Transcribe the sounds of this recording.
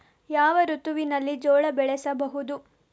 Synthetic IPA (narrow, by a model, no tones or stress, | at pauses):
jaːʋɐɾut̪uʋinɐlːid͡ʒɔːɭɐbɛɭɛsɐbɐɦud̪u